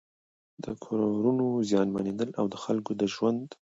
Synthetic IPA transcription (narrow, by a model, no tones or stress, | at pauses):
d̪əkʰoɾɾunozjɑnmaned̪əlawd̪əxalkod̪əʒwand̪